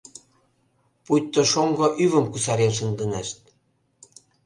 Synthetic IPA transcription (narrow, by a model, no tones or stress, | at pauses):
put̪ːoʃoŋɡoʔyβə̆mkusɑɾenʃ̬ənd̪ənæʃt̪̚